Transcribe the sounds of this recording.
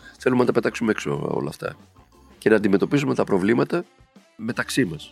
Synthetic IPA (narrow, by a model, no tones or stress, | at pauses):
θe̞lumenɐt̪ɐpe̞t̪ɐksumeekso̰o̰lɐ̰ft̪ɐ̰ | ce̞nɐːnd̪ime̞t̪o̞pisume̞t̪ɐpɾo̞vlimɐt̪ɐ | me̞t̪ɐksimɐs